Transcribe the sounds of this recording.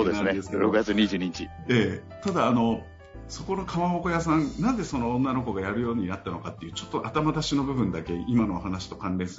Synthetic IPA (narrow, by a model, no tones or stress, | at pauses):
oːd̪ensaed̪eskɾokɯ̟ɡat͡sɨɲ̟iʑɨːɲ̟iɲit͡ɕi | eː | t̪ad̪aːno̞ | so̞ko̞no̞kʰamaɦoko̞jas̬ãnnãnze̞so̞no̞õnːano̞ko̞ɡajaɾɯ̟jo̞ːɲ̟inat̪ːano̞kat̪ːe̞jɯ̟ːt͡ɕo̞t̪ːo̞ʔat̪amad̪aɕino̞bɯ̟bɯ̟̃nd̪ake̞imano̞ːɦanaɕi̥t̪o̞kãnɾẽ̞s